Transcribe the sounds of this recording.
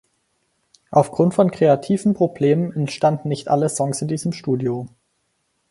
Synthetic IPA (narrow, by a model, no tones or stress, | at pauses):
ʔaʊfɡ̥ʁʊntfɔnkʁ̥eatʰiːvn̩pʁ̥obleːmənɛntʃtandn̩ːɪçtʔa̰ləsɔŋsɪndiːzəmʃtuːdjo